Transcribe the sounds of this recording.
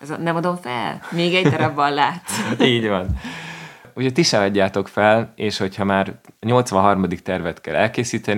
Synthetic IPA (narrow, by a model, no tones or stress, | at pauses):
ɛz̰nɛmɒd̪o̞ɱfɛ̰lmeːɡɛɟ̪ɛɾɒbːɒllaːt̪siːɟvɒn | uːcʰoc̚ʲt̪iʃɛɒɟːaːt̪o̞kfɛleːʃho̞chɒmaːrɲo̞lt̪sʋɒnɦɒrmɒd̪ik̚t̪ɛrvɛt̪kɛ̰lɛlkeːsiːt̪ɛn